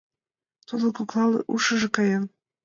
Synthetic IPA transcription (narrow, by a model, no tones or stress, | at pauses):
t̪ud̪ɤ̆kuklˠɑlɤ̰ʔuʃɤ̆ʒɤ̆kɑjɤn